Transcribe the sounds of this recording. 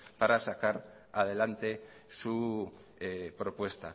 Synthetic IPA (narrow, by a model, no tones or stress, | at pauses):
paɾasakaɾ | að̞e̞lant̪e̞ | su | epɾo̞pwe̞st̪a